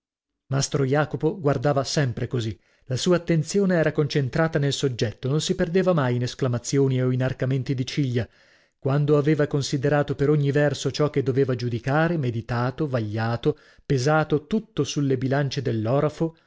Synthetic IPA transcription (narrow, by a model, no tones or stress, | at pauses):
mast̪ɾojaːkopoɡward̪aːvasɛmpɾekozi | lasuːaːt̪ːent̪sjoːneɛːɾakont͡ʃent̪ɾaːt̪anelsod͡ʒɛt̪ːononsiperd̪eːvamajinesklamat̪sːjoːnioinarkament̪id̪it͡ʃiʎːa | kwand̪oaveːvakonsid̪eɾaːt̪opeɾoɲːivɛrsot͡ʃɔkːed̪ːoveːvad͡ʒud̪ikaːɾemed̪it̪aːt̪ovaʎːaːt̪o | pezaːt̪ot̪ut̪ːosulːebilant͡ʃed̪elːɔːɾafo